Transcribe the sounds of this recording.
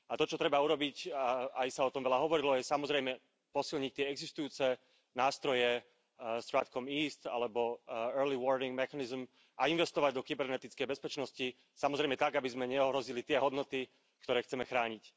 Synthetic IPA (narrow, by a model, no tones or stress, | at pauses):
at̪ɔt͡ʃɔt̪ɾɛbauɾɔbicaajsaɔt̪ɔmʋɛʎaɦɔʋɔɾilɔjɛsamɔzɾɛjmɛ | pɔsilɲic̚t̪ɪɛɛɡzist̪ujuːt͡sɛ | naːst̪ɾɔjɛ | st̪ɾa̰t̪kɔmiːst̪a̰lɛbɔɛɾliʋɔɾniŋɡmɛxanizm | ʔainʋɛst̪ɔʋaɟd̪ɔkibɛɾnɛt̪it͡skɛjbɛspɛt͡ʃnɔsci | samɔzɾɛjmɛt̪aɡabizmɛɲɛɔɦɾɔzilit̪ɪɛɦɔd̪nɔt̪i | kt̪ɔɾɛːxt͡sɛmɛxɾaːɲic